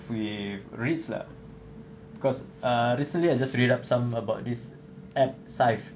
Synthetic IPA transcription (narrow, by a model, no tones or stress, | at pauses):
fwifɹitsla̰ | bikɔs | aɹisə̃nliajd͡ʒasɹidap̚tsãməbaʊt̚dis | ɛp̚sajf